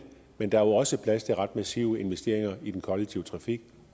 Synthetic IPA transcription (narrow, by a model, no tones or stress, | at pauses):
mend̥ɑ̈æɐoɒ̽səpʰlæst͡sʰe̝ʁɑ̈d̥mæsiʊe̝nʋesd̥e̝̰ɐ̰e̝ŋɐid̥enkʰɒ̽leɡ̥̚t͡sʰiʊət͡sʰʁɑ̈fiɡ̥